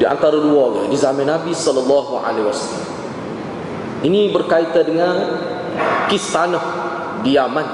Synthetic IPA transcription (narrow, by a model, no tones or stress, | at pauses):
dia̰nt̪aɾaluaɡ̰dizamãnːabisɔlalːɑɦuʔa̰lewasala̰m | inibərkait̪adəŋan | kisanɔh | diaman